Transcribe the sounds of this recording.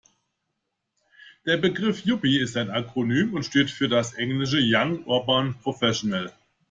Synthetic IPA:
d̥eːɐbəɡʁɪfjʊpiɪstaɪnakʁ̥onyːmʊntʃteːtfyːɐdasʔɛŋlɪʃ̬əjaŋʔʊ̰ɐbaːnpʁ̥ofɛʃonɛl

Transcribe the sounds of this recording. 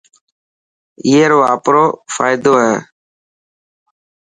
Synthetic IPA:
iːeːɾoːaːpɾoːfa̰ːɪd̪oːɦɛː

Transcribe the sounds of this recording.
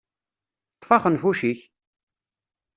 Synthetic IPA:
t̪ːˤfɑχənfuʃiç

